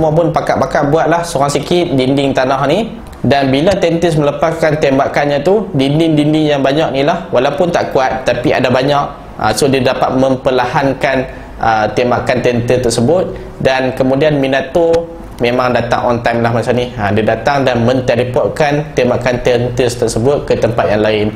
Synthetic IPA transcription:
səmuap̬ʊnpakaʔpakaʔbuat̪̚lahsoɾaŋsikɪt̪̚dindɪŋt̪anahni | danbilat̪ɛnt̪əs̬mələpaskant̪ɛmbaʔkanɲat̪udindɪŋdindɪŋjaŋbaɲaʔ̚nilahwalawpʊnt̪a̰ʔkuat̪̚ːapia̰dabaɲak̚ | a̰sohdiadapat̪̚məmpəlahankan | ʔət̪embakant̪ɛənt̪ət̪ərsəbʊt̪̚ | dankəmũdianminat̪o | mẽmãŋdat̪a̰ŋʔɔnt̪ajmlahmat͡ʃamnihadiadat̪aŋdanmə̃nt̪ɛlipɔʔkant̪embaʔkant̪ɛnt̪əst̪ərsəbʊt̪̚kət̪əmpat̪̚jaŋlaɪn

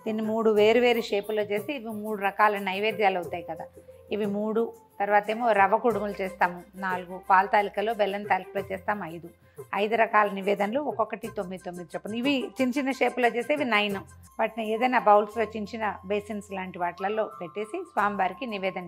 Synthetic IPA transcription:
d̪inːimuːɽuʋeːɾiʋeːɾiʂeːpulo̞ːt͡ʃe̞ːsiːʋimuːɽuɾɐkaːlɐnɐjʋeːd̪jaːlɐut̪ːaːjikɐd̪aː | iʋimuːɽut̪ɐɾʋaːt̪ɐeːmoːɾɐʋɐkuɽumulut͡ʃeːst̪aːmunaːluɡupaːlɐt̪aːlikɐlo̞ːbɛlːɐnt̪aːlikɐloːt͡ʃɛːst̪aːmuɐjd̪u | ɐjd̪uɾɐkaːlɐniʋɛːd̪ɐnloːɔkɔkːɐʈit̪omːid̪it̪omːid̪it͡ʃɛpːɐnd̪iiʋit͡ʃiɲt͡ʃinɐʂe̞ːpuloːt͡ʃe̞ːseːʋinɐjnɐm | ʋaːʈinɐeːd̪ɐjnaːbɐwlslo̞ːt͡ʃiɲt͡ʃinɐbeːsinslaːɳʈiʋaːʈlɐlːo̞ːpeʈːe̞ːsisʋaːmiʋaːɾikiniʋɛːd̪ɐn

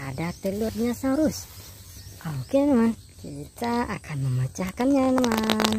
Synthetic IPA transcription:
adat̪əlʊt̪̚ɲasaɾʊs | ʔokenəman | kit̪aʔa̰kʰanməmət͡ʃahkanɲanəman

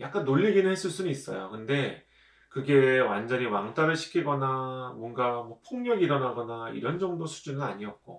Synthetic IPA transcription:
jak͈anːoʎːiɡinɯnhe̞s͈ɯɭs͈unɯnis͈ʌjokɯnde̞ | kɯɡe̞wand͡ʑʌɲiwaŋt͈ʰaɾɯɭɕʰi̥kʰiɡʌnamwʌnɡamwʌpʰoŋɲʌɡiɾʌnaɡʌnaḭɾʌnd͡ʑʌŋdosʰu̥d͡ʑunɯnaɲiʌt̚k͈o̰

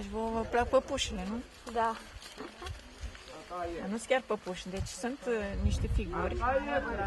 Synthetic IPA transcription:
ʒvoəplak̚pəpuʃilenu | d̪a | anuskʲarpəpuʃd̪et͡ʃsunt̪niʃt̪efiɡurʲ

